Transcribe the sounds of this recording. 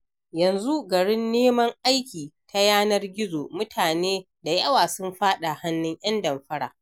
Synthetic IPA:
jɐ˨nzu˦ɡɐ˨ɽɪ˦nːeː˦mɐ˦ŋʔa˦jkʲiː˨tʰa˦jaː˦nɐ˦rɡʲɪ˦zoː˨mʊ˦tʰaː˨neː˦ | da˨jɐ˦waː˨sʊ˦mɸaː˦ɗa˨ha˦nːʊ˦ɲʔɐ˦ndɐ˨mɸɐ˦ɽa̰ː˨ʔ

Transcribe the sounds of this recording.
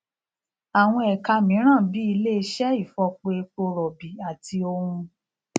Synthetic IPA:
a˨w̃ɔ̃˧ɛ˨ka˧mĩ˨˦ɾ̃ã˦˨bi˨˦i˧le˦˧˦ʃɛ˦i˦˨fɔ˧k͡pe˧e˧k͡po˧ɾɔ˨bi˨a˨tʰi˧o˧hũ˧

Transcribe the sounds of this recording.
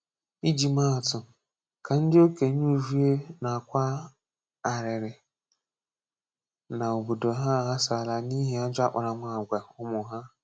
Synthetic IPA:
i˦d͡ʒi˨ma˦a˨tʊ˨ | ka˨n̩˦dɪ˦o˦ke˨ɲ˦u˦u˦˨vi˦e˦na˨a˨kʷa˦ | a˨ɾɪ˨ɾɪ˨ | na˨o˨bo˨do˨ɦa˦˨ɦa˦sa˨la˨ni˦ɦi˦a˦d͡ʒa˦k͡pa̰˨ɾa˨mʷa˦˨ɡʷa˨hʊ˦mʊ˨ɦa˦

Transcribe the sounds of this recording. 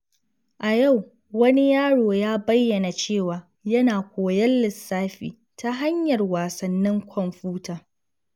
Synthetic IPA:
ʔa˨ja˦˨w | wɐ˦ni˦jaː˦ɽoː˨jaː˦bɐ˦jːɐ˨na˨t͡ʃeː˦˨waː˨ | jɐ˦naː˨kʷoː˨jɐ˦lːɪ˨sːaː˦ɸḭː˨ | ta˦ɦa˦ɲjɐ˨rwaː˨sɐ˨nːɪ˦ŋkʷʰɔ˨mɸuː˦taː˨

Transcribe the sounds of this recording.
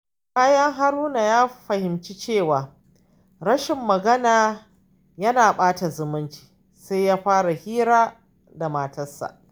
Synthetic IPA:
kaː˦jɐ˦ŋɦa˦ɾuː˦na˨jaː˦ɸɐ˨hɪ˨mt͡ʃi˦t͡ʃeː˦˨waː˨ | ɾɐ˦ʃɪ˨mːɐ˨ɡɐ˦naː˨ | jɐ˦naː˨ɓaː˦ta˨zʊ˨mʊ˦nt͡ʃi̥ː˨ | sa˦jjaː˦ɸaː˦ɽa˨hiː˦ɾaː˦ | da˨maː˨tɐ˦sa̰˨ʔ

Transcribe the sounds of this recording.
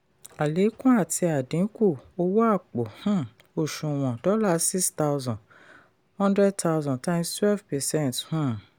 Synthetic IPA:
a˨le˨˦kũ˦a˦˨tʰi˧a˨dĩ˨˦ku˦˨o˧wo˦a˦˨k͡po˨hũ˦˨ | o˨ʃũ˨w̃ɔ̃˨dɔ˦la˦˧˨si˦sta˧wzɔ̃˨ | hɔ̃˦ndɾɛ˦d̚ta˦˧wzɔ̃˨tã˦mstwɛ˦vpɛ˨sɛ̃˦˨nthũ˦˨

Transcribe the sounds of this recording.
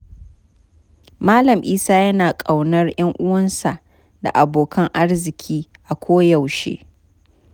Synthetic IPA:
maː˦lɐ˨mʔiː˦saː˦jɐ˦naː˨kʼa˨wnɐ˦rj̰ɐ˦ŋʔʊ˦wɐ˦nsa˨ʔ | da̰˨ʔa˨boː˨kʰɐ˦ŋʔa˦rzɪ˨kʲʰiː˦ʔa˨kʷoː˦ja˨wʃḛː˦

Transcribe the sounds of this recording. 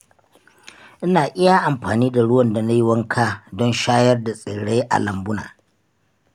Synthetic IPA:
ʔɪ˦naː˨ʔɪ˦ja˨ʔa˨mɸaː˨niː˦da˨ɽʊ˦wɐ˨nda˨na˦ji˦wɐ˦ŋkʰaː˦dɔ˦nʃaː˦jɐ˦rda˨sʼɪː˨ɽe˦ʔa̰˨lɐ˨mbʊ˦na̰ː˨

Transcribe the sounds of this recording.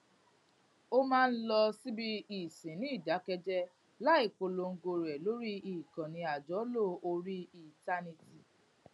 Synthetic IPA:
o˦mãː˦˧n̩˦lɔ˧si˦bi˦i˨sẽ˨nĩ˦˨da˨˦kɛ˧d͡ʒɛ˦ | la˦i˦˨k͡po˧lo˧ŋ̩˦ɡo˧ɾɛ˨lo˨˦ɾi˦i˨kã˨nĩ˧a˨d͡ʒɔ˨˦lo˦˨o˧ɾi˦i˨ta˧nĩ˧ti˨

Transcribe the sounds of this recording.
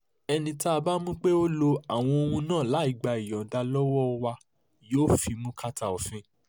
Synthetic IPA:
ɛ˧nĩ˧taː˦˧ba˦mũ˦k͡pe˦o˦lo˧a˨w̃ɔ̃˧o˧hũ˧nãː˦˨la˨˦i˨ɡ͡ba˧i˨jɔ̃˨da˧lɔ˦wɔ˦ɔ˧wa˧ | joː˦fi˧mũ˦ka˦ta˧˨o˨fĩ˨˦

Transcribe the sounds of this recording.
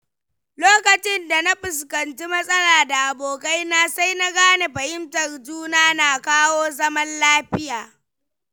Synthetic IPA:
loː˦kɐ˨t͡ʃɪ˦nda˨na˦ɸɪ˨skɐ˨nt͡ʃi˦mɐ˦sʼɐ˦laː˨da˨ʔa˨boː˨ka˦jnaː˦sa˦jna˦ɡaː˦ne˨ɸɐ˨hɪ˦mtɐ˨rd͡ʒuː˦naː˦naː˨kaː˦woː˦zɐ˦mɐ˦nlaː˦ɸɪ˦jaː˨

